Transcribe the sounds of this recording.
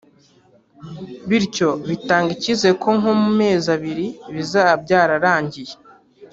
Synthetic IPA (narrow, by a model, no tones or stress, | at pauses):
βiɾco̞βitaːŋɡicize̞kʰo̞ŋomume̞ːzaβiɾiβizab̚ɟaːɾaɾaːɲɟije